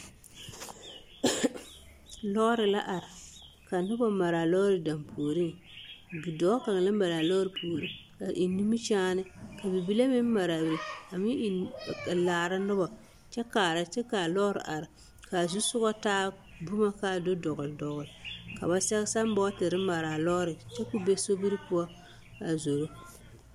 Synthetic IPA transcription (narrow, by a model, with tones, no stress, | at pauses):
lɔ˦ɾɪ˨la˦ʔa˨ɾɪ˨ | ka˨nʊ˦ba˨ma˨ɾa˨lɔ˦ɾɪ˨da˨mpʰoː˨ɾi˦ŋ | ɡi˨dɔ˨˦ka˨ŋ˨la˦ma˨la˨lɔ˦ɾɪ˨pʰuː˨ɾi˦ka˨ʔi˨ni˦mi˦t͡ʃaː˦nɪ˦ka˨bi˨bi˦la˦mɪ˦m˦ma˨ɾa˨bɾi˨a˨mɪ˦˨laː˨ɾa˦nɨ˦ba˨ | t͡ʃɛ˦kaː˨ɾa˨t͡ʃɛ˦kaː˨lɔː˦ɾɨ̰˨ʔa˨ɾɪ˨ | ka˨zu˦sʊ˦ɣa˦taː˦ | bu˦ma˦ka˦˨do˦dɔ˨ɣʊ˨ldɔ˨ɣʊ˨lka˨ba˨sɛ˦ɣsa˦m˦bɔ˦tɪ˨ɾɨ˦ma˨ɾa˨lɔ˦ɾɨ˨t͡ʃɛ˦ku˦be˦so˦bi˦ɾɨ˦pʊ˦a˦ | a˨zo˨ɾo˦